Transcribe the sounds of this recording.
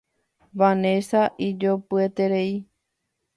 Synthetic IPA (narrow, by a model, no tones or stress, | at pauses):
ʋanesaʔid͡ʒopɨet̪eɾei